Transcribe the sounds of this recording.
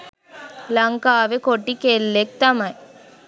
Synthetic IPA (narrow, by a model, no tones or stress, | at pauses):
lɐŋkaːʋekoʈːikelːek̚t̪ɐmɐj